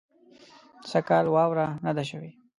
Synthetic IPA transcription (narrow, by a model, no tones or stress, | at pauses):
sakɑlwɑwɾanad̪aʃ̬əwe